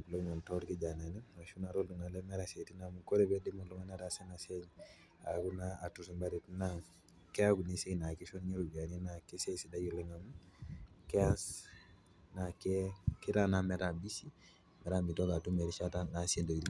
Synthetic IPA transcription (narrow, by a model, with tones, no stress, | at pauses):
plo˦ŋɔ˨ntɔ˦ɾke˦d͡ʒa˨na˨ni˦a˨ʃu˦na˨ɾɔ˦ldu˨na˨le˦mɛ˦ɾa˨se˨ti˦namu˨ko˦ɾebedi˦mo˨lu˦ŋa˦na˦ɾase˦na˨se˦ɲ | a˨ku˦na˦a˨tu˦se˨mba˦ɾi˨tna˦ | kɛ˦a˦ku˨ni˦se˦˨na˨ke˦ʃɔ˦nɲe˦ɾu˨ɡa˨ne˦na˨ke˦se˦si˨da˦ju˨le˦ŋamu˦kɛas | na˨keke˦tana˦mɛ˨ɾa˨bi˦si˦ | mɛ˨ɾa˦mi˨tɔ˦ɡa˨tu˦me˨ɾi˦ʃa˦tana˨se˦ndo˨ɾi˦